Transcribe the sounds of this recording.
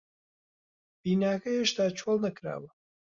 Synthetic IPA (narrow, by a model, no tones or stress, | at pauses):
b̥iːnaːkɐheʃt̪aːt͡ʃʰwolˠnɐkɾa̰ːwɐ